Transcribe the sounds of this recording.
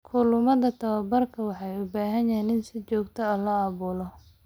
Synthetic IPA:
kʰʊlʊmɐðɐt̪ʰɐwɐbɐrkʰɐwɑħɑjʊbaːɦɐnjɛnɪnsɪt͡ʃɔːɡt̪ʰɔɐlɐɑːβuːlɔ

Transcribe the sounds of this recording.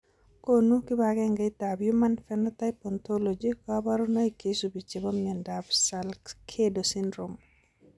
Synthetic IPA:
konukibaɡɛŋɡaitabjumanfɛnɔtajpɔntolod͡ʒikɔabaɾunaikesubit͡ʃebɔmɲɛndabsalkʰedosindɾom

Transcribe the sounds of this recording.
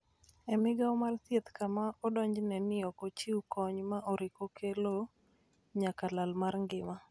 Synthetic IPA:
ɛmɪɡaɔmart̪jet̪kamaɔdɔɲd͡ʒnɛnɪɔkot͡ʃiukɔɲmaʔɔɾɪkokʰelo | ɲakalalmarŋɡɪma

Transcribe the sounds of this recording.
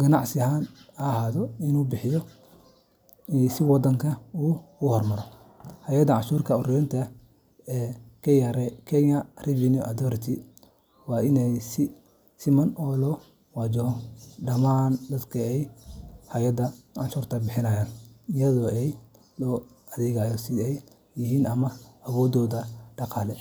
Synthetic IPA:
ɡ̥ɐnɑʕsɪɦaːnɐhaːðɔɪnuːbɪħɪjɔ | ɛsɪwɑd̪ɐŋkʰɐuːkʊhɔrmɐɾɔ | hɐjɐd̪ɐʕɑʃuːrk̪ʰɐɔrɛjɐnt̪ʰɐ | ɛːkʰɐjɐɾɛkʰɛɲɐrɪvɪnjuʔɐd̪ɔɾɪt̪ʰi | wɑːɪnɛjsɪ | sɪmɐnʔɔːlɔ | wɑd͡ʒɔɖɐmaːnd̪ɐd̪kʰɐɛjhajɐd̪ɐʕɑʃuːrt̪ʰɐbɪħɪnɐjaːnɪjɐðɔːɛj | lɔː | ʔɐðɛɣaːjɔsɪɛj | jɪɦiːnɐmɐɐwɔːd̪ɔːdɐɖ̥ɑqɑːlɛ

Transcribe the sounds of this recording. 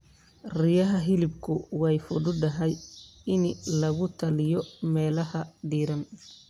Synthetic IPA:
rɪjɐɦɐɦɪlɪbkʰʊwɛjfʊdʊdɐɦɛjɪnlɐɣʊt̪ʰɐlɪjɔmɛːlɐɦɐɖiːɾɐn

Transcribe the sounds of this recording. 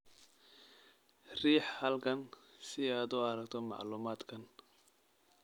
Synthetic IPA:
riːħhɐlkʰɐnsɪaːd̪ʊɐɾɐkt̪ʰɔmɑ̰ʕluːmaːd̪kʰɐn

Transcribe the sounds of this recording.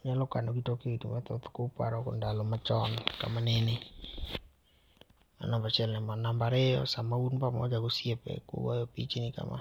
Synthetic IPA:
ɲalɔkanoɡitokeidumat̪ot̪kopa̰ɾɔko̰ndalɔmat͡ʃɔnka̰manenɪ | ma̰nambat͡ʃɛlnɛmanambaɾeɔ̰samaunpamɔ̰d͡ʒaɡosjepɛ̰kwo̰wajɔpit͡ʃinɪka̰mʔa̰

